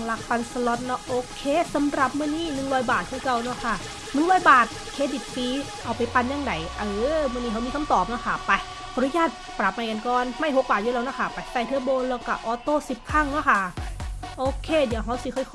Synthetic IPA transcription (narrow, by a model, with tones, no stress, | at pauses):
la˧˥k̚pa˧nsa˧lɔ˦˧˥t̪̚nɔ˦˧˥ʔoː˧kʰeː˧˥˨sa˨˦mɾa˨˩p̚mɯ˧˥˩niː˥˩nɯ˨˩ŋɾɔː˧˥jbaː˨˩t̪̚hʰiː˧˩ka˧˩wnɔ˦˧˥kʰa˥˩ | nɯ˨˩ŋɾɔː˧˥˩jbaː˨˩t̪̚kʰeː˧˥di˨˩t̪̚fiː˧ | ʔa˧˩wpa˧˩jpa˧nja˧˩ŋda˨˩jʔɤː˧˩mɯ˧˨ni˧˩a˨˦mi˧kʰa˧˥mt̪ɔː˨˩p̚nɔ˦˥kʰa˧˩pa˧j | kʰa˧ɾu˧˥˨jaː˧˥˩t̪̚pɾa˨˩p̚maː˧jka˧nkɔː˧nma˧˥˩jɦo˨˦k̚baː˨˩t̪̚u˧˦˨lːwnɔ˧˥˩kʰa˧˩pa˧˩˦t̪aː˧˩jt̪ʰɯ˧˥ɐ˨boː˧nla˧˩wka˧˩ʔɔː˧˩t̪oː˥˩si˨˩p̚kʰa˧˥˩ŋnɔ˦˥˨kʰa˥˩ʔoː˧˩kʰeː˧˩di˨˩˦əwɦa˧˥wsi˧˦kʰɔ˧˩j